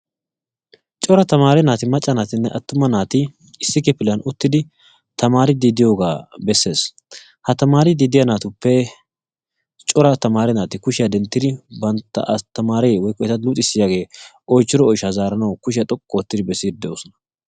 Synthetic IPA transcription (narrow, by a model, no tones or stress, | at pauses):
t͡ʃʼɔɾɐt̪ɐmaːɾɛnaːt̪ɪmɐt͡ʃʼːɐnaːt̪ɪnːɛʔɐt̪ːʊmɐnaːt̪ɪ | ɪsːɪkɛpɪljɐnʊt̪ːɪd̪ɪ | t̪ɐmaːɾɪd̪iːd̪ɪjo̞ːɡaːbɛsːe̞ːs | hɐt̪ɐmaːɾɪd̪iːd̪ɪjɐnaːt̪ʊpːɛ | t͡ʃʼɔɾɐt̪ɐmaːɾɛnaːt̪ɪkʊʃɪjɐd̪ɛnt̪ːɪd̪ɪbɐnt̪ːɐ̰t̪ːɐmaːɾɛjewɔjkːɔɛt̪ɐluːt̪ʼɪsːɪjaːɡe̞ːʔɔjt͡ʃːɪɾɔːjʃazaːɾɐnɐwkʊʃɪjɐt̪ʼɔkʼːɔɔt̪ːɪd̪ɪbɛsːiːdd̪ɛjoːsɔnɐ̥